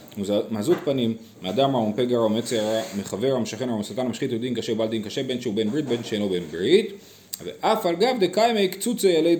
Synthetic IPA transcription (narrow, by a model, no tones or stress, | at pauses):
uzmazut̪panimːead̪amaompeɡaʁamet͡seaʁameχaveʁamʃaχenuamasaltanmaʃχitud̪inkaʃeubald̪inkaʃebe̞nʃeubenbʁit̪̚benʃeelobenbʁit̪ | vḛʔafalɡabd̪ekajmejkt͡sut͡sejale